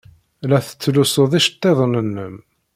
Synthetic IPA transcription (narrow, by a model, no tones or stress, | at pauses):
læθə̥t͡sːlusoðˤiʃt̪ˤːeðˤnənːəm